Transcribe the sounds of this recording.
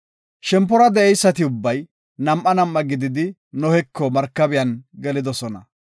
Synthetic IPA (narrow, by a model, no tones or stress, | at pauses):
ʃɛmp̬ːɔɾɐd̪ɛʔɛjsːɐt̪ɪʊbːɐj | nɐmʔːɐnɐmʔːɐɡɪd̪ɪd̪ɪ | nɔhɛkːɔmɐɾkːɐbɪjɐnɡɛlɪd̪ɔsɔnɐ